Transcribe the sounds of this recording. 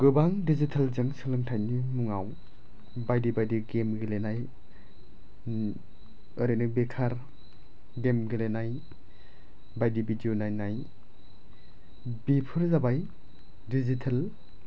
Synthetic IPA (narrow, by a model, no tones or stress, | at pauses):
ɡ̥ɯbaŋdizitʰalzɯŋsɯlɯŋtʰajnimuŋaw | bajdibajdiɡemɡilenaj | ɯɾɯnɯbekʰaɾ | ɡemɡilenaj | bajdibidionajnaj | bipʰɯɾzabaj | dizitʰel